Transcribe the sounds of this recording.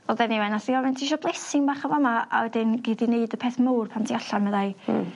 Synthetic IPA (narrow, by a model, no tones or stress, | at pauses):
ɔðɛniwɛnaθiɔvɛntʰiʃɔblˠesɪŋbaχavɔmaa̰wɛdɪnɡedineɨdəpʰeːθmowrpʰantʰiaɬanməðaj